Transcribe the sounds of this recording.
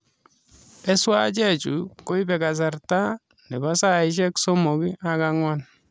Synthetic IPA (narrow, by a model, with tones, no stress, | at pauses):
ɛ˦swa̰˦t͡ʃɛ˦t͡ʃu˨ko˦i˦pɛ˨ka˨s̬a˨rta˦ | nɛ˨ba˦sa˦ɪʃ̬ɛ˦kso˦mo˨ki˦ʔa˨ka˦ŋwa˦n